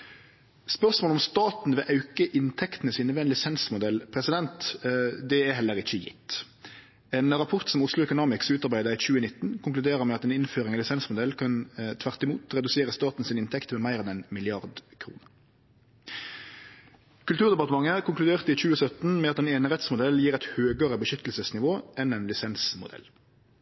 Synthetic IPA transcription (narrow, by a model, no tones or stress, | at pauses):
spœʁsmoːlɔmst̪ɑːt̪n̩ʋɛːʔɑʉkəʔɪnt̪ʰɛkt̪nəsiːnʋɛːnlɪsɛnsmʊd̪ɛlpʰʁɛsɪd̪ɛnt̪d̪ɛæɦɛlːəʁɪçəjɪ̰t̪ː | ɛːnʁɑpʰɔʁt̪sɔmʊslʊɛkʉnɑːmɪksʉːt̪ɑʁbæɪd̪əic͡çʉːənɪt̪ːnkʰʊŋklʉd̪eːʁəʁmɛɑt̪ɛːnɪnføːʁɪŋɑlɪsɛnsmʊd̪ɛlːkʰɑnt̪ʰʋæʁt̪ɪmuːt̪ʁɛd̪ʉseːʁəst̪ɑːt̪n̩sɪnɪnt̪ʰɛkt̪mɛːmæɪʁɛnɛnmɪlɪɑʁd̪kʰɾṵːnəʁ | kʰʉlt̪ʉːʁd̪ɛpɑʁt̪əmɑŋəkʊŋklʉd̪eːʁt̪əiːc͡çʉːəsœt̪n̩mɛɑt̪ɛːneːnəʁɛt̪smʊd̪ɛljiːɾɛt̪høːɡəʁəbəʃʏt̪əlsəsnɪʋoːʔɛnɛnlɪsɛnsmʊ̰d̪ɛ̰l